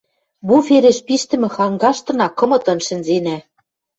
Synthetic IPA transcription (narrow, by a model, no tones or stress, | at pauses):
bufeɾeʃpiʃt̪ɘ̆mɘ̆xɑŋɡɑʃt̪ɤ̆nɑkːɤ̆mɤ̆t̪ɤ̆nʃɘ̆nzenæ